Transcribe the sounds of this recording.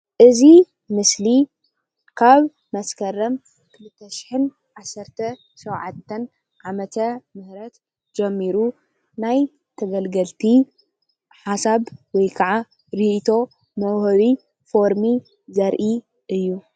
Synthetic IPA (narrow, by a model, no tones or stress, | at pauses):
ʔɨzi | mɨsli | kʰaβ | mɐskʰɐrɐm | kʰɨlɨt̪ʰːɐʃɪ̥ħɨn | ʕasːɐɾt̪ʰɐ | ʃɐwʕat̪ʰːɐn | ʕamɐt̪ʰɐmɨhɾɐt̪ | d͡ʒɛmːiɾu | naj | t̪ʰɐɡɐlɡɐlt̪ʰi | ħasaβwɔjkʰɐʕa | ɾit̪ʰo̞ | mɐwhɐβi | fo̞ɾmi | zɐɾʔi | ʔɨjːu